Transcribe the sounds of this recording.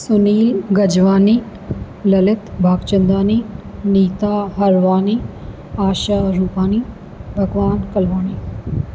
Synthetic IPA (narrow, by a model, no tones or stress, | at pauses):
sʊniːlɡɐd͡ʒʋaːniː | lɐlɪt̪bʱaːɡt͡ʃɐnd̪aːniːniːt̪aːɦɐɾʋaːniː | aːʃaːɾuːpaːniː | bʱɐɡʋaːnkɐlʋaːniː